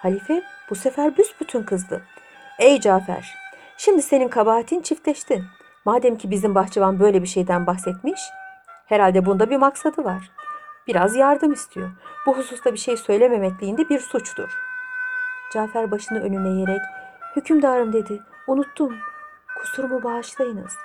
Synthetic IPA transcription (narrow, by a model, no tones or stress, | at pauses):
halʲifɛb̥usefæɾbysbyt̪ʰynkʰɯzd̪ɯ | ɛjd͡ʒaːfæ̰ɾ̥ | ʃimd̪ise̞ninkʰabaːat̪ʰint͡ʃʰift̪lʲɛʃt̪ʰin | maːd̪ɛmcʰibizimbaxt͡ʃʰavanbø̞jlʲebiʃe̞jd̪ænbaxsɛt̪miʃheɾalʲd̪ɛbund̪abiɾmaksad̪ɯvaɾ̥b̥iɾazjaɾd̪ɯmist̪ʰijo̞ɾbuɦususlˠabiʃe̞jsø̞jlʲe̞me̞mɛclʲiːnd̪ɛbiɾsut͡ʃt̪ʰṵɾ̥ | d͡ʒaːfæɾbaʃɯnɯʔø̞nynɛje̞ɾɛchycʰymd̪aːɾɯmd̪e̞d̪ɪ | unut̪ʰːun | kʰu̥suɾmubaːʃlˠajɯnɯ̰z̥